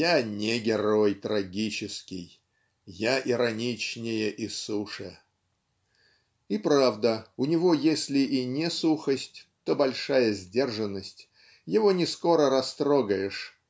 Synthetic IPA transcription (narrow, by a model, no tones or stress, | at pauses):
janʲeɡʲɪɾo̞jt̪ɾɐɡʲit͡ɕɪskʲɪj | jaʔɪɾɐnʲit͡ɕnʲɪjəʔisuʂə | ipɾavd̪əʊnʲɪvo̞jesʲlʲɪʔinʲesuxəsʲtʲt̪o̞bɐlʲʂajəzʲdʲe̞rʐɨnːəsʲtʲ | jɪvo̞nʲɪsko̞ɾəɾɐst̪ɾoɡəjɪʂ